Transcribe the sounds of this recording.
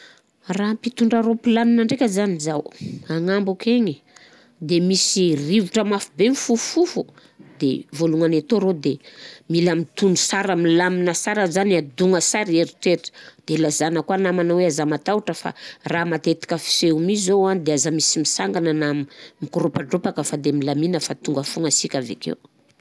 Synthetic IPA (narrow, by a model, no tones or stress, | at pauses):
rampit̪uɳɖ͡ʐaɾopilaminaɳɖ͡ʐekʲazanizawaŋambukeŋi | d̪emisirivuʈ͡ʂəmafubemifuffufu | d̪ḛvoluŋanet̪oɾod̪emilamit̪unusaɾamlaminəsaɾəzanad̪uŋəsaɾieɾiʈ͡ʂeʈ͡ʂə̥d̪̥elazanəkwanamanaweazamat̪auʈ͡ʂəfa̰raːmat̪et̪i̥kʲəfi̥seumizowand̪eazamisimisaŋɡananamimikuɾopaɳɖ͡ʐopakəfad̪emilaminəfat̪uŋɡəfuŋasikʲavḛkḛw